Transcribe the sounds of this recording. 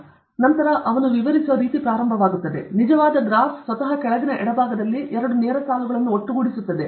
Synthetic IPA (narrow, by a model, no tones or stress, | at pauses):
nɐnt̪ɐɾɐʔɐʋɐnuʋiʋɐɾisuʋɐɾiːt̪ipɾaːɾɐmbʱɐʋaːɡut̪ːɐd̪e̞nid͡ʒɐʋaːd̪ɐɡɾaːssʋɐt̪ɐɦɐkɛɭɐɡ̪inɐʔɛɽɐbʱaːɡɐd̪ɐlːiʔɛɾɐɽunɛːɾɐsaːluɡɐɭɐnːuoʈːuɡuɽisut̪ːɐd̪e